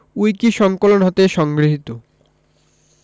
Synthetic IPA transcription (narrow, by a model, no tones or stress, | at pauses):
ujkiʃɔŋkolonɦɔt̪eʃɔŋɡɾiɦit̪o